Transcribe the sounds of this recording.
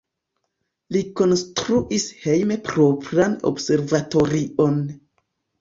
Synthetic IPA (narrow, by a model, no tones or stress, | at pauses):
liko̞nstɾuʔishe̞jmepɾopɾano̰bse̞ɾvato̞ɾion